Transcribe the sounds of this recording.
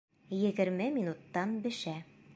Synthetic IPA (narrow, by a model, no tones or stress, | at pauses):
jɘ̆ɡɘ̆ɾmɘmʲinut̪ːɑnbɘ̆ʃæ